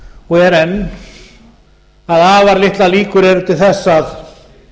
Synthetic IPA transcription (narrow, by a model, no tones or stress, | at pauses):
ɔɛɾɛnː | aðaːvaɾlɪht̪laliːkʏɾɛɾʏt̪ʰɪlθɛsːaθ